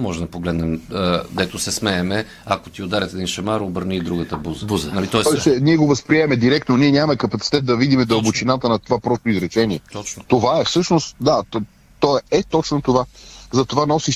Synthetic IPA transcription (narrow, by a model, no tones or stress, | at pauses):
mɔʒɛmd̪ɐpoɡlɛd̪nɛmd̪ɛt̪osɛsmɛɛmɛ | akot̪iod̪aɾʲɛt̪ɛd̪inʃɛmaɾobəɾnid̪ɾuɡət̪əbuzəbuzənɐlit̪ɔɛɔt͡ʃɛniɛɡovɐspɾiɛmɛd̪iɾɛkt̪noniɛnʲamɐmɛkɐpɐt̪si̥t̪ɛt̪̚d̪ɐvid̪imɛd̪ɐobʊt͡ʃinat̪ənɐt̪ovapɾɔst̪oizɾɛt͡ʃɛniɛɔt͡ʃt̪ovaɛfsɤʃnost̪d̪at̪ | t̪ɔɛɛt̪ɔt͡ʃnot̪ovazɐt̪ovanɔsiʃ